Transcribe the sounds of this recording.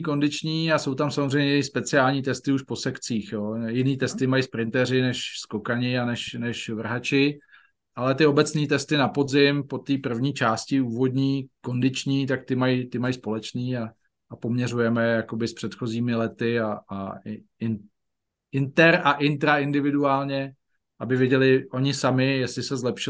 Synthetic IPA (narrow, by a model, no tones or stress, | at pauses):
ko̞ndɪt͡ʃɲiːaso̞wt̪amsamozrɛjɲɛɛjɪxspɛt͡sɪaːlɲiːt̪ɛst̪ɪuʃpo̞sɛkt͡siːxjo̞ːjɪniːt̪ɛst̪ɪmajispɾɪnt̪ɛrɪnɛʃsko̞kaɲɪanɛʃnɛʃvr̩ɦat͡ʃɪ | ʔalɛt̪ɪo̞bɛt͡sniːt̪ɛst̪ɪnapo̞zɪmpo̞t̪iːpr̩vɲiːt͡ʃaːscɪuːvo̞d̪ɲiːko̞ndɪt͡ʃɲiːt̪ak̚t̪ɪmajt̪ɪmajspo̞lɛt͡ʃniːaː | po̞mɲɛrujɛmɛjakobɪspr̥ɛt̪xo̞ziːmɪlɛt̪ɪaa | ɪn | ɪnt̪ɛɾaʔɪnt̪ɾaɪndɪvɪduaːlɲɛ | ʔabɪvjɛɟɛlɪʔo̞ɲɪsamɪjɛslɪsɛzlɛpʃɪ